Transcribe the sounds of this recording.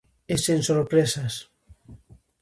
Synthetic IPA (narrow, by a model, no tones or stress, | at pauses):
esensoɾpɾesas